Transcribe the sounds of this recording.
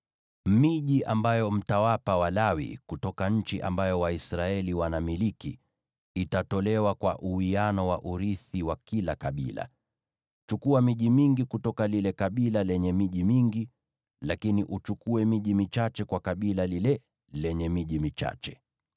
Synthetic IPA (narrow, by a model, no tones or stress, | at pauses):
miʄiʔambajɔm̩tawapawalawḭkutɔkaɲ̩t͡ʃiʔa̰mbajɔwaisɾaɛliwanamiliki | itatɔlɛwakwa̰ʔuwianɔwaʔuɾiθiwakilakaɓḭla̰ | t͡ʃukuamiʄimiŋɡikutɔkalilɛkaɓilalɛɲɛmiʄimiŋɡi | lakiniʔut͡ʃukuɛmiʄimit͡ʃat͡ʃɛkwakaɓilalilɛ | lɛɲɛmiʄimit͡ʃa̰t͡ʃɛ̥